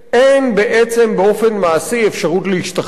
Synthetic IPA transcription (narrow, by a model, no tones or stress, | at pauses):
ʔenbeʔet͡se̞mbeo̞fe̞nmaːsiefʃaʁutleiʃta